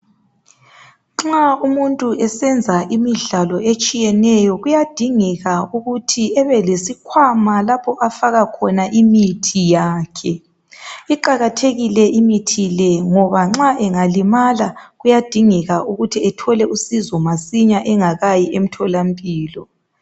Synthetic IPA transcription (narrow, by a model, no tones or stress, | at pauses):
ŋ͡ǁaumuntʼuɛsɛnd͡zʱaʔimiɮalɔet͡ʃʼijɛnɛjɔɣujad̥ʱiŋɛɣauɣutʰiɛβɛlesikʰwamalapʰɔʔafaɣakʰɔnaʔimitʰijaːkʰɛ | iǃaɣatʰeɣilɛʔimitʰilɛŋɔβaŋ͡ǁaʔɛŋalimalaɣujad̥ʱiŋɛɣaʔuɣutʰiɛtʰɔlɛusizɔmasiɲaʔɛŋaɣajiʔem̩tʰɔlampʼiːlɔ